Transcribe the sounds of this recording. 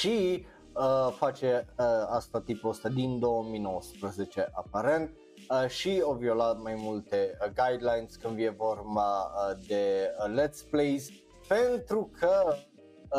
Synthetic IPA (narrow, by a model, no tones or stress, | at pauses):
ʃi | əfat͡ʃe̞əast̪at̪ipuəst̪ad̪ind̪o̞əmino̞wəspɾəze̞t͡ʃe̞ʔapaɾe̞nt̪̚ | ʃiovio̞lat̪majmult̪e̞ɡajd̪lajnsʲkɨnd̪vjevo̞rbad̪e̞let̪splejz | pe̞nt̪ɾukʰə